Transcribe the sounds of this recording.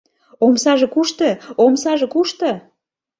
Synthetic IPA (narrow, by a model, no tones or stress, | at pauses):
omsɑʒĕkuʃt̪əomsɑʒĕkuʃt̪ɤ